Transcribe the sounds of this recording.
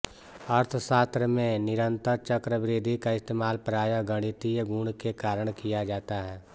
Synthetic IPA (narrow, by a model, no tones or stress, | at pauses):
əɾt̪ʰsaːt̪ɾəmẽnɪɾə̃nt̪əɾt͡ʃəkɾəbɾeːd̪ʱikaɪst̪eːmaːlpɾaːjəɡəɽ̃it̪ijɡũːɳkekaːɾəɽ̃kijad͡ʒaːt̪aɦɛː